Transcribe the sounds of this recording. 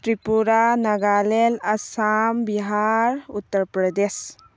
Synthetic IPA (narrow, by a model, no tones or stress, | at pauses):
ʈɾipuɾanɐɡaːlelɐsambiɦaɾut̪ːəɾpɾəd̪es